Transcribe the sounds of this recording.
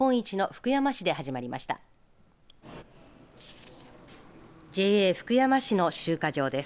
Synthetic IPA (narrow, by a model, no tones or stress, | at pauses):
õ̞ɰ̃it͡ɕino̞ɸɯ̥kɯ̟jamaɕid̪e̞hɦaʑimaɾʲima̰ɕi̥t̪a̰ | d͡ʑe̞ːeːɸɯ̥kɯ̟jamaɕino̞ɕɨːkaʑo̞ːd̪e̞s